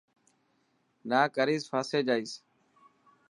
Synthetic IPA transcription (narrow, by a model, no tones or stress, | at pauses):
naːkəɾiːzfʰaːseːd͡ʒaːiːs